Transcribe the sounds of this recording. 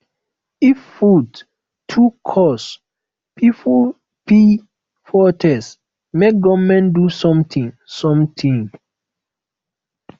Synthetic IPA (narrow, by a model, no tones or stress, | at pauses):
ifːud | tʰːukʰɔs | pʰipʰɔ | pi | fɔtʰɛs | mek̚ɡɔvmɛ̃ndusɔ̃mtʰĩŋ | sɔ̃mtʰĩŋ